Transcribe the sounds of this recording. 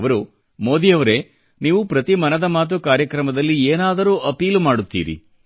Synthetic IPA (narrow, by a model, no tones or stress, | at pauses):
ʋɐɾu | mo̞ːd̪ijɐʋɐɾe̞ | niːʋupɾɐt̪imɐnɐd̪ɐmaːt̪̬ukaːɾjɐkɾɐmɐd̪ɐlːieːnaːd̪ɐɾuːʔɐpiːlmaːɽut̪ːḭːɾḭ